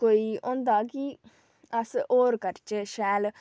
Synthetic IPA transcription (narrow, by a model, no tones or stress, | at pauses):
koːiːõ̰ːnd̪aːki | əsoːɾkəɾt͡ʃeʃɛːl